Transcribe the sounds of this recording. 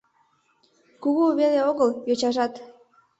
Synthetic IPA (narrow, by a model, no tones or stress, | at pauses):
kuɣuβeleoɣəljot͡ɕɑʒɑt̪